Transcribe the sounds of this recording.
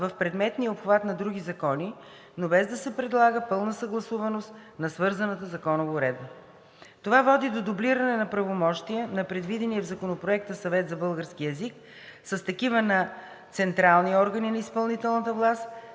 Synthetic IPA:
vəfpɾɛd̪mɛt̪nijəopxvat̪nɐd̪ɾuɡ̟izɐkɔni | nobɛzd̪ɐsɛpɾɛd̪lˠaɡəpɤlˠnəsəɡlˠɐsuvɐnost̪nɐsvɤɾzənət̪əzɐkɔnovːɾɛd̪̚bə | t̪ovavɔd̪id̪od̪obliɾənɛnɐpɾɐvomɔʃt̪iənɐpɾɛd̪vid̪ɛniɛvzɐkonopɾoɛk̚t̪əsɐvɛt̪zɐbɤlˠɡəɾsk̟iɛzik | səst̪ɐkivənɐ | t̪sɛnt̪ɾalˠniɔɾɡəninɐispɐlˠnit̪ɛlˠnət̪əvlˠas

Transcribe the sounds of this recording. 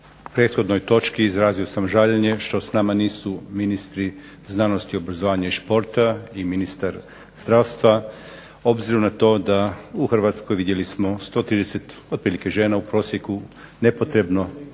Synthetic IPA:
pɾe̞ːt̪xo̞d̪no̞jt̪o̞t͡ʃkiːzɾaːzio̞samʒaʎeɲe̞ʃt̪o̞snamaniːsuminist̪ɾi | znano̞st̪io̞bɾazoʋaːɲaiʃpo̞ɾt̪aiminist̪aɾ | zd̪ɾawst̪ʋa | o̞bziɾunat̪o̞ːd̪auxr̩ʋat̪sko̞jʋid̪je̞lismo̞st̪o̞ːt̪ɾiːd̪ese̞t̪od̪̚pɾiːlike̞ʒe̞ːnaupɾo̞ːsje̞ku | ne̞po̞t̪ɾe̞bno̞

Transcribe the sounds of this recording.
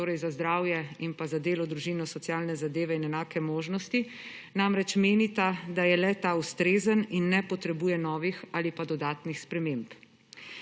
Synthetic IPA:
oːɾɛjzazd̪ɾaːwjɛimpazad̪eːlɔd̪ɾuʒiːnɔsɔt̪sjaːlnɛzad̪eːʋɛinɛnaːkɛmoːʒnɔst̪i | namɾɛt͡ʃmeːnit̪ad̪ajɛlɛt̪aust̪ɾeːzəninːɛpɔt̪ɾɛbuːjɛnɔːʋixaːlipad̪ɔd̪aːt̪nixspɾɛmemp

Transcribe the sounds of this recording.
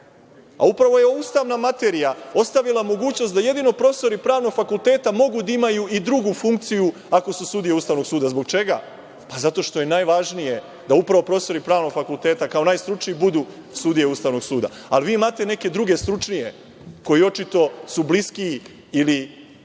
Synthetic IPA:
a̰upɾaʋo̞jeoust̪aʋnamat̪e̞ːɾijao̞st̪aʋilamo̞ɡuːt͡ɕnost̪d̪aje̞d̪ino̞pɾofst̪o̞ɾipɾaːʋno̞ɡ̥fakulˠt̪e̞ːt̪amo̞ɡud̪aimajuid̪ɾuɡufuŋkt̪siju | ako̞susud̪ijeust̪aːʋno̞ɡsuːd̪azbo̞ɡt͡ʃe̞ɡa̰ | pazat̪o̞ʃt̪o̞je̞naːjʋaʒnije̞ | d̪aupɾaʋo̞pɾo̞ːest̪o̞ɾipɾaːʋno̞ɡfakulˠt̪eːt̪akao̞naːjst̪ɾut͡ʃniibud̪uː | sud̪ije̞ust̪aːʋno̞ɡsuːd̪a̰ | a̰liʋiːmaːt̪e̞ne̞ke̞d̪ɾuɡe̞st̪ɾut͡ʃnije̞ | ko̞jio̞t͡ʃit̪o̞subliski | ili

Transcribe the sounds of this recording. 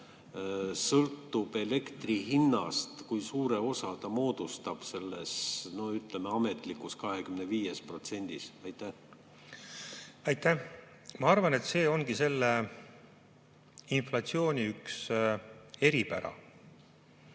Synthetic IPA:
sɤlt̪ːub̥e̞le̞kt̪riɦinːɑst̪kujsuːɾeo̞sɑt̪ɑmo̞ːd̪̥ust̪ɑb̥se̞lːesno̞yt̪lemeɑmet̪ˑlikːuskɑɦekymneviːjespro̞t̪se̞nʲd̪̥isɑjt̪ːæh | ɑjt̪ːæ | mɑɑrvɑne̞t̪se̞ːo̞ŋɡ̥ise̞lːe | inflɑt̪sio̞ːnʲiyks | e̞ɾipæ̰ɾɑ̰

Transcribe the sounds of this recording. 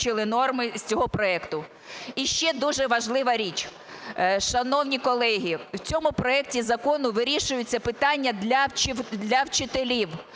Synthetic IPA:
t͡ʃɪlˠɪnɔrmɪsʲt͡sʲɔɦɔpɾɔɛkt̪ʊ | iʃt͡ʃɛd̪uʒɛʋɐʒlˠɪʋɐɾʲit͡ʃ | ʃɐnɔwnʲikɔlˠɛɦʲiwt͡sʲɔmʊpɾɔɛk̚tʲizɐkɔnʊʋɪɾʲiʃʊjʊt͡sʲːɐpɪt̪ɑnʲːɐd̪lʲɐd̪lʲɐwt͡ʃɪt̪elʲiw

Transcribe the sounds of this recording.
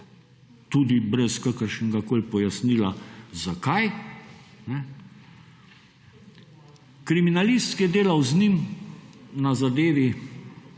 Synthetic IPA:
t̪uːd̪ibɾɛskakəɾʃnɡakoːlpɔjasnilazakaj | nɛ | kɾiminalist̪kjɛd̪eːlawznim | nazad̪eːʋi

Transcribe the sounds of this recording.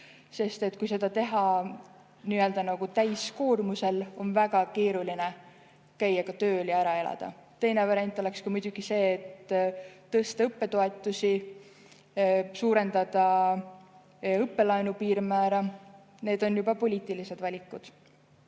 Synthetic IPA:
se̞st̪e̞t̪ːˑkujse̞d̪̥ɑt̪e̞ɦɑ | niøld̪ɑnɑɡ̥ut̪æjsko̞ːrmuse̞lo̞nvæɡ̥ɑke̞ːɾuline | kæjːɑkɑt̪ø̞ːljɑæɾɑe̞lɑ̰d̪̥ɑ̰t̪e̞jnevɑɾiɑnt̪ːˑo̞le̞kskɑmud̪̥ʲuɡ̥ise̞ːt̪ː | ɤst̪ɑɤpːe̞t̪o̞e̞t̪ˑːusi | suːɾe̞nd̪̥ɑd̪̥ɑ | ɤpːe̞lɑjnupiːɾmæːɾɑ | ne̞ːd̪̥o̞njub̥ɑpo̞lʲiːt̪ːˑilise̞d̪vɑlʲikːˑud̪̥

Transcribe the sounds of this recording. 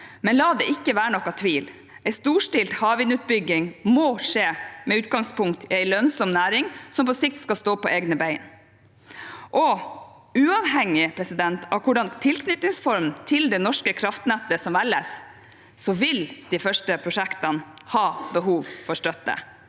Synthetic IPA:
mɛnlɑːd̪ɛɪkːəʋæːɾəɳɔkːɑt̪ʰʋiːl | ʔɛɪst̪uːʂʈɪlt̪hɑːʋɪnʉːt̪̚bʏɡɪŋmoːʂeːmɛʉːt̪̚ɡɑŋspʰʊŋkt̪ʰɪæɪlœnsɔmnæːɾɪŋsɔmpɔsɪk̚t̪skɑlst̪oːpɔʔeːɡnəbæɪn | ʔɔ | ʉːɑʋɦɛŋːɪpʰɾɛsɪd̪ɛnt̪ʰɑ̰ʋkʰʊɖɑnt̪ʰɪlkʰnʏt̪nɪŋsfɔɾmnt̪ʰɪld̪ɛnɔʂkəkʰɾɑft̪næt̪ːəsɔmʋælːəs | sɔʋɪld̪̥ifœʂʈəpʰɾʊʂækt̪ɑnhɑːbəɦuːʋfɔɾʂtœt̪ːə̰

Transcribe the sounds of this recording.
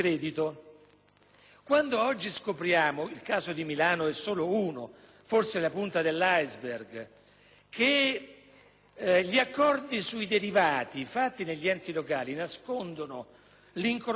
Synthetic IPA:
ɾɛːd̪it̪o | kwand̪oɔd͡ʒːiskopɾjaːmoilkaːzod̪imilaːnoɛsːoːlouːno | forselapunt̪ad̪elːajzberɡ | kʰe | ʎiakːɔrd̪isuid̪eɾivaːt̪ifat̪ːineʎːiɛnt̪ilokaːlinaskond̪ono | liŋkoɾ

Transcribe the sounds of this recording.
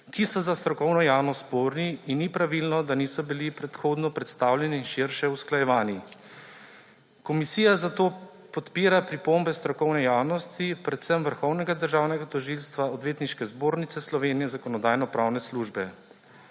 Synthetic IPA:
kisɔzast̪ɾɔkɔwnɔjawnɔspoːɾniinːipɾaʋilnɔd̪anisɔbilipɾɛt̪xoːd̪nɔpɾɛt̪st̪awlʲɛniːnʃiɾʃɛusklajɛʋaːni | kɔmisiːjazat̪oː | pɔt̪piːɾapɾipombɛst̪ɾɔkɔwnɛjaːwnɔst̪ipɾɛt̪sɛmʋəɾxɔwnɛɡad̪əɾʒaːwnɛɡat̪ɔʒilst̪ʋaɔd̪ʋeːt̪niʃkɛzboːɾnit̪sɛslɔʋeːnijɛzakɔnɔd̪aːjnɔpɾaːwnɛsluʒbɛ

